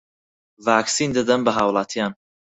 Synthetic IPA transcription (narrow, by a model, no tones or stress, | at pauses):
vaːksiːnd̪əd̪ɐmbəɦaːwlˠaːt̪ʰijaːn